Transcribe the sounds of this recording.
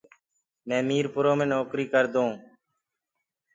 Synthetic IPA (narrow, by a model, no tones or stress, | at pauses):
mɛ̃ːmiːɾpʊɾoːmẽːnoːkɾiːkəɾd̪õː